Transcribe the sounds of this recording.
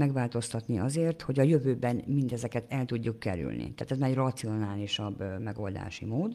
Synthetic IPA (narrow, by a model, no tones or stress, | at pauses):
mɛɡʋaːlt̪o̞st̪ɒt̪niɒzeːrt̪ho̞ɟɒjøvøːbɛnmind̪ɛzɛkɛt̪ɛlt̪uɟːukːɛ̰ɾy̰lnḭt̪aːt̪ɛzmaːɾɛɟrɒt̪sio̞naːliʃɒbːmɛɡo̞ld̪a̰ːʃḭmoːd̪